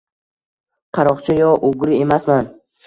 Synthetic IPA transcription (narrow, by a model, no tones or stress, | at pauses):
qʰɑɾɒqt͡ʃʰajɒʔoɡɾie̞masman